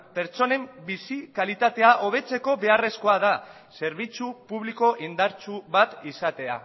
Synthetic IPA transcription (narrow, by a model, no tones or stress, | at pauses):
pe̞ɾt͡ʃo̞ne̞mbisikalit̪at̪e̞aʔo̞β̞e̞t͡se̞ko̞βe̞are̞sko̞aða | se̞ɾβ̞it͡supuβliko̞ʔind̪aɾt͡ʃuβat̪isat̪e̞a̰